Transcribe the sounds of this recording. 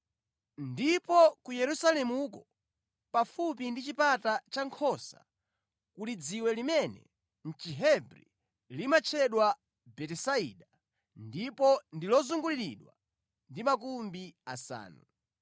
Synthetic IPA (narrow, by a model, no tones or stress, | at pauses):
ndipɔkujɛɾusalɛmukɔ | pafupindit͡ʃipatat͡ʃaŋkʰɔsa̰ | kulid͡ziwɛlimɛnɛ̰ | n̩t͡ʃiɦɛbɾḭ | limat͡ʃʰɛɗwa | bɛtɛsaḭɗa | ndipɔndilɔzuŋɡuliɾḭɗwa̰ | ndimakumbiasa̰ːnu